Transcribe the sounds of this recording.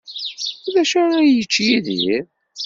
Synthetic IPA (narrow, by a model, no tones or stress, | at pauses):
ðæʃæɾæjət͡ʃːjiðḭɾ